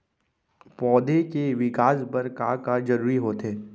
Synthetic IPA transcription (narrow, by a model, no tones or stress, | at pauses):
pɔːd̪ekeʋɪkaːsbɐɾkakad͡ʒɐɾuːɾiɦoːt̪eː